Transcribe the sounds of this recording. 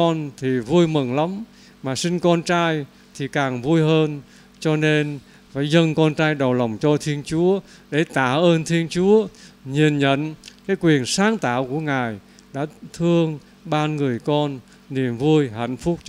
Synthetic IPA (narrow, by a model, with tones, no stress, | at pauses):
ɔ˧nt̪ʰi˨˩vu˧əjmɨ˨˩ŋla˨˦m | maː˨˩sï˧ŋ̟kɔ˧nt͡ɕaː˧j | t̪ʰi˨˩kaː˨˩ŋvu˧jɦəː˧n | t͡ɕɔ˧ne˧n | faː˧˥jzə˧nkɔ˧nt͡ɕaː˧jɗə˨˩wlə˨˩wŋ͡mt͡ɕɔ˧t̪ʰi˧ənt͡ɕu˨˦əɗe˧˩t̪aː˧˩ʔəː˧nt̪ʰi˧ənt͡ɕu˨˦əɲi˨˩ənɲə̰˧˥nkaː˨˦jkwi˨˩ənsaː˨˦ŋt̪aː˧˩˨wku˧˩əŋaː˨˩j | ɗa̰ː˧˥t̪ʰɨ˧əŋ | ɓaː˧nŋɨ˨˩əjkɔ˧nː | i˨˩əmvu˧əjɦa̰˧˩jŋ̟fʊ˦˥k͡p̚t͡ɕ